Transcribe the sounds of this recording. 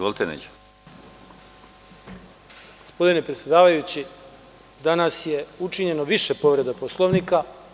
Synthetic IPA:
ʋolˠit̪enḛd͡ʑ | ɡ̥o̞̥spo̞d̪ine̞pɾet̪sʲjed̪aːʋajut͡ɕi | d̪anasje̞ut͡ʃiɲe̞no̞ʋiʃepo̞ʋɾe̞d̪aposlˠoʋnika

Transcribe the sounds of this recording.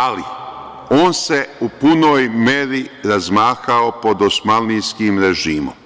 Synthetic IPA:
ali | o̞ːnse̞upuno̞ːjmeɾiɾazmaːxaopo̞d̪osmalnijskiːmɾeʒiːmo̰m

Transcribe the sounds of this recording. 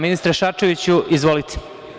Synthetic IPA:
minist̪ɾaʃaɾt͡ʃeʋit͡ɕuʔizʋolit̪ʰi̥

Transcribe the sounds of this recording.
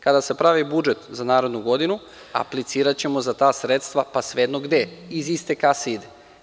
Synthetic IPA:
kad̪ase̞pɾaʋibud͡ʒe̞t̪zanaːɾe̞d̪nuɡo̞d̪inu | a̰plit̪siːɾat͡ɕe̞mo̞zat̪aːsɾet̪st̪ʋapasʋed̪noɡd̪eizist̪e̞kasid̪e

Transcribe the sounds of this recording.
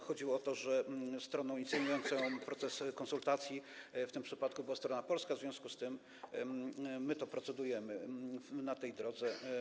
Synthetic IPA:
xɔd͡ʑiwɔɔt̪ɔʐɛst̪ɾɔnɔ̃w̃int̪sɛɲʲujɔnt̪sɛpɾɔt̪sɛskɔnsult̪at̪sʲjift̪ɘmpʂɘpat̪kubɘwast̪ɾɔnapɔlskazvʲɔ̃skust̪ɘm | mɘt̪ɔpɾɔt̪sɛd̪ujɛmɘnat̪ɛjd̪ɾɔd̪zɛ

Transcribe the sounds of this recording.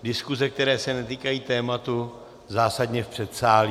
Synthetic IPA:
dɪskuzɛk̚t̪ɛɾɛːsɛnɛt̪iːkajiːt̪ɛːmat̪u | zaːsadɲɛfpr̝̥ɛt̪saːli

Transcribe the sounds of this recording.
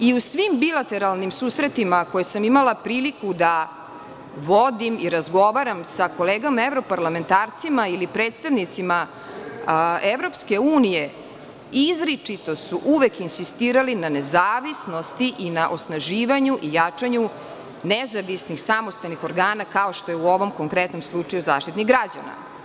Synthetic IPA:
iusʋimbilat̪e̞ɾalnimsuːsɾet̪imako̞jesamimalˠapɾiːlikud̪a | ʋo̞d̪imiɾazɡo̞ʋaɾamsako̞leːɡamaevɾo̞paɾlame̞nt̪aːɾt̪simailipɾe̞ːt̪st̪aʋnit̪sima | eʋɾo̞pske̞uːnije̞ | izɾit͡ʂit̪o̞suʔuʋekinsist̪iːɾalinanezaːʋisno̞st̪iʔinaʔo̞snaʒiːʋaɲuʔijat͡ʂaɲu | nezaʋisnixsamo̞st̪alnixo̞ɾɡaːnakao̞ʃt̪ojeuo̞ʋo̞mkoŋkɾet̪no̞mslˠut͡ʂajuza̰ːʃt̪it̪niɣɡɾad͡ʑana̰

